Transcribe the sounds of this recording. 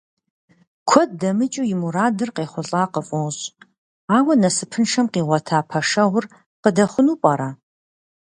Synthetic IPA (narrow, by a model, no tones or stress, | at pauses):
kʷʰɔd̚dɐmɨt͡ʃʼujɪmuɾaːdɨrqeːχʷʊɬʼaːqəfʼɔwɕʼ | aːwɐnɐsɨpʰɨnʂɐmqiːʁʷɔtʰaːpʰɐʂɐʁʊr | qədɐχʷʊnuːpʼɐɾaː